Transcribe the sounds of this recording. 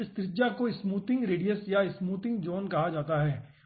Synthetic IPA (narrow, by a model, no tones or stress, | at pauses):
ɪst̪ɾɪt̪ːd͡ʒakoɪsmuːt̪ɪ̃ŋɡɾeːɖijəsjaɪsmuːt̪ɪ̃ŋɡd͡ʒoːnkɐɦad͡ʒaːt̪aɦɛː